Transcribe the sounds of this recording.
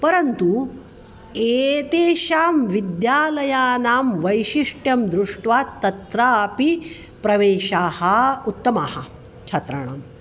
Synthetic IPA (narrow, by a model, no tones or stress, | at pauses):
pɐɾɐnt̪u | eːt̪eːʃaːmʋid̪jaːlɐjaːnaːmʋɐjʃiʂʈjɐmd̪ɾuʂʈʋaːt̪ːɐt̪ɾaːpi | pɾɐʋeːʃaːhɐut̪ːɐmaːhɐ | t͡ʃʰɐt̪ɾa̰ɳ̃a̰ːm